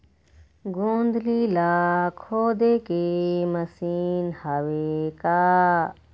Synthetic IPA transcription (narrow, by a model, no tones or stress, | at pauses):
ɡũːnd̪lilaːkʰoːd̪ekemɐsiːnhɐʋekaː